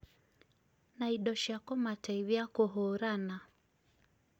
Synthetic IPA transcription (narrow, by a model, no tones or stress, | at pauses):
naiɗɔʃakɔmataiβiakɔɦɔɾana